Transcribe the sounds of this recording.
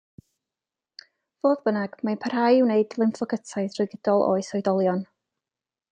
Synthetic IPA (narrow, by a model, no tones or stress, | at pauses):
v̥oːðbənaɡ̥manpʰar̥hajɪwneɨdlˠɪnθɔɡətʰaɨθrʊɨɡədɔlˠʔo̰ːɨsɔjdɔlˠjɔn